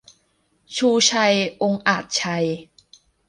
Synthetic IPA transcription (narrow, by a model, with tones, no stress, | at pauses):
t͡ɕʰuː˧t͡ɕʰa˧jʔo˧ŋʔaː˨˩t̪̚t͡ɕʰa˧j